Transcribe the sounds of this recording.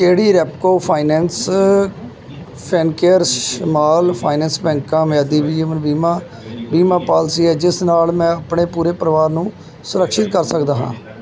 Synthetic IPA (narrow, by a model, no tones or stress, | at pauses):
keːɽiːɾɛːpkoːpʰaːɪnɛ̃ːns | pʰɛːnkeːəɾəmaːlpʰaːɪnɛ̃ːnsbɛ̃ːŋkãːmɛːd̪iːbiːəmənbiːmãː | biːmãːpaːlsiːɛːd͡ʒɪsnaːlmɛ̃ːəpɳeːpuːɾeːpəɾʋaːɾnũː | sʊɾəkʃɪt̪̚kəɾsəkd̪aːɦã̰ː